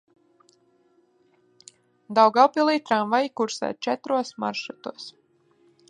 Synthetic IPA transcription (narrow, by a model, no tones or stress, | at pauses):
d̪awɡawpilˠiːt̪ɾamvajkuɾsɛ̰ːt̪̚t͡ʃɛt̪ɾuɔsma̰ɾʃut̪uɔs